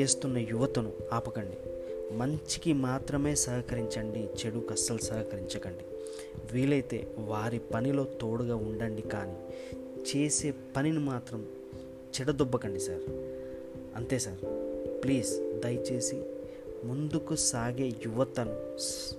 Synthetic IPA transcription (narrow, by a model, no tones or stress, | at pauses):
eːst̪unːɐjuʋɐt̪ɐnuaːpɐkɐɳɖimɐɲt͡ʃi̥kimaːt̪ɾɐme̞ːsɐɦɐkɐɾiɲt͡ʃɐɳɖit͡ʃe̞ɽukɐsːɐlsɐːɦɐkɐɾiɲt͡ʃɐkɐɳɖi | ʋiːlɐjt̪e̞̰ːʋaːɾipɐnilo̞ːt̪o̞ːɽuɡaːuɳɖɐɳɖikaːniː | t͡ʃe̞ːse̞ːpɐninimaːt̪ɾɐm | t͡ʃɛɽɐd̪ɔbːɐkɐɳɖisaːɾ | ɐnt̪e̞ːsaːɾpliːsd̪ɐjt͡ʃe̞ːsi | mund̪ukusaːɡe̞ːjuʋɐt̪ɐnu